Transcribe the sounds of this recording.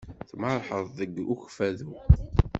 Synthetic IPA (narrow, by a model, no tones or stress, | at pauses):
θmɑɾˤħəðˤðəɡuçfæðu